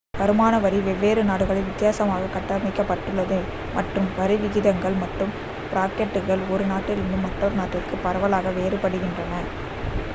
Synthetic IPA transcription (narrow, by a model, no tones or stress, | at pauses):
pɐɾɯmaːnɐʋɐɾiʋɛʋːeːɾɯnaːɽɯɣɐɭɐɪʋɪt̪ːɪjaːsɐmaːɣɐkɐʈːɐmɪkːɐpːɐʈːɯɭːɐðɯ | mɐʈrɯmʋɐɾɐɪʋɪɣɪðɐŋɡɐɭmɐʈrɯm | pɪɾaːkɛʈːɯɣɐɭɔɾɯnaːʈːɪlɪnd̪ɯmːɐʈroɾɯnaːʈːɪrkɯpɐɾɐʋɐlaːɣɐʋeːɾɯpɐɽɯɣɪndrɐnɐ